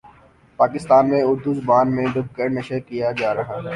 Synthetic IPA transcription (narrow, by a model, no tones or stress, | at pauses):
paːkɪst̪aːnmẽʊɾd̪uzʊbaːnmẽɖʊb̚kəɽnɐʃəɾkijad͡ʒaːɾɐɦaɦɛː